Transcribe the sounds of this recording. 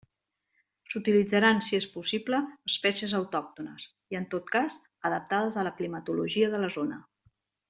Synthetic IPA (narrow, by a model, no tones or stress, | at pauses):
sut̪ilid͡zəɾansiespusipləːspɛsiəzəwt̪ɔk̚t̪unə̰s | iənt̪ot̪̚kaz | əðəp̚t̪að̞əzələklimət̪uluʒiəðələzonə